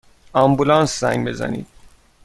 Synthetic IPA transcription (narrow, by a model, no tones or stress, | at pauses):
ɒmbulɒːnszæ̰ŋɡbe̞zæ̰nḭːd̪̥̚